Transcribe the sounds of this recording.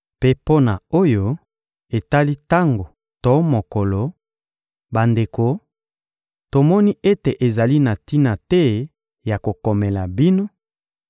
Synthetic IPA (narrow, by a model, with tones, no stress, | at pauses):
pe˦po˦na˨o˦jo˦ | e˨ta˦li˦ta˦ŋɡo˨ | to˨˦mo˨ko˨lo˨ | ba˨nde˨ko˨ | to˨mɔ˦ni˦ʔe˦te˨ʔe˨za˨li˦na˨ti˦na˨tɛ˦ | ja˨ko˨ko˨me˨la˨bi˦no˦